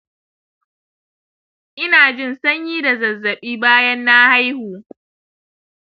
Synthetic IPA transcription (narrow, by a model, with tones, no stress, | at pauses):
ʔɪ˦naː˨d͡ʒɪ˦nsɐ˦ɲjiː˦da˨zɐ˨zːɐ˨ɓiː˦baː˦jɐ˦nːa˦ha˦jhuː˨